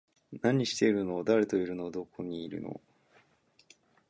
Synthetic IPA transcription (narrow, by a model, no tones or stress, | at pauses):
naɲ̟iɕi̥t̪e̞iɾɯ̟noːd̪aɾe̞t̪o̞iɾɯ̟no̞ːd̪o̞kʰo̞ɲ̟iːɾɯ̟̰no̰